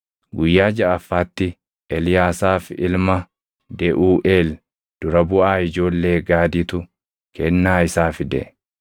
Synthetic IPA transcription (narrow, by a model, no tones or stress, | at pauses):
ɡʊjːaːd͡ʒɐʔɐfːaːt̪ːɪ | ʔɛlɪjaːsaːfɪ̰lmɐ | d̪ɛʔuːʔeːl | d̪̥ʊɾɐbʊʔaːɪd͡ʒo̞ːlːe̞ːɡaːd̪ɪt̪ʊ | kʰɛnːaːɪsaːfɪd̪ɛ̰ʔɛ